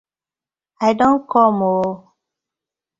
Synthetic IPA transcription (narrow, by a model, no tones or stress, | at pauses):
aɪdõnkʰɔmo